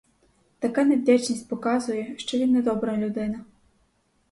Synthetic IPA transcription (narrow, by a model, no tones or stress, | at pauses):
t̪akanʲadʲat͡ʂnɐsʲt͡sʲpɔkazujɛʂt͡ʂɔlʲinɐd̪ɔbɾɐjɐlʲud̪ɪnɐ